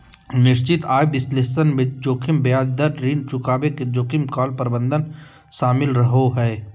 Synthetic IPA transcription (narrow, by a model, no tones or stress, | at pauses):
nɪʃt͡ʃɪt̪aːjbɪsleːsənmɪ̃d͡ʒoːkʰɪmbjaːd͡ʒd̪əɾɾiːnt͡ʃʊkaːbeked͡ʒoːkʰɪmkɔːlpəɾɪbə̃nd̪ən | ʃaːmɪlɾɐɦoɦɛː